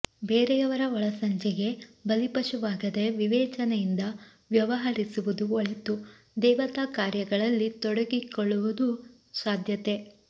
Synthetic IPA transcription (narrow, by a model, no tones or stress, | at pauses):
beːɾɛjɐʋɐɾɐɔɭɐsɐɲt͡ʃɛɡe̞bɐlipɐʃuʋaːɡɐd̪e̞ʋiʋɛːt͡ʃɐnejind̪ɐ | ʋjɐʋɐɦɐɾisuʋud̪uɔɭet̪u | d̪ɛːʋɐt̪aːkaːɾjɐɡɐɭɐlːit̪ɔɽɐɡikɔɭːuʋud̪u | saːd̪ʱjɐt̪e̞